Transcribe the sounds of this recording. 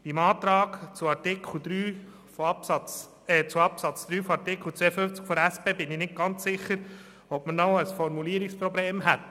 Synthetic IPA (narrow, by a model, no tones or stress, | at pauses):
b̥imɑːt̪ɾɑːkt͡suɑtɪkʰl̩d̪ɾyː | fpɑt͡s | ɛt͡suɑpsɑt͡sd̪ɾyːfɔɑɾtɪkχl̩t͡sʋɛːəfɵft͡skfɔɾæspeːbɪnɪnɪt̚ɡ̥ɑnt͡sːɪχəɾ | ɔpmənɔwəsfɔɾmuliəɾikspɾɔbleːmɦɛt̪